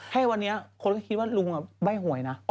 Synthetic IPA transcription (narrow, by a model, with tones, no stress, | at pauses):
kʰaː˥˩wa˧nːi˦˥ɐkʰo˧nkɔ˥˩kʰi˦˥wa˥˩lu˧ŋa˨˩ba˥˩jɦu˨˩˦ə˦jna˦˥